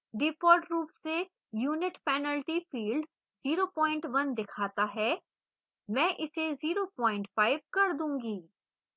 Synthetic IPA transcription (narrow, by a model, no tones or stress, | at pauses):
ɖɪpɔːɾʈɾuːpse | juːnɪʈpɛːnəlʈifiːlɖ | ziːɾopɔ̃ːɪ̃ɳʈʋɐnd̪ɪkʰaːt̪aɦɛː | mɛ̃ːʔɪseziːɾopɔ̃ːɪ̃ɳʈfaːɪbkɐɾd̪ũːŋɡiː